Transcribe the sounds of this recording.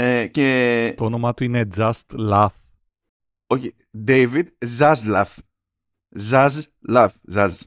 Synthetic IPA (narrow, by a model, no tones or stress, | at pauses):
eket̪onomat̪uined͡zast̪laf | oke | d̪ejvid̪zazlaf | zaz | lafzaz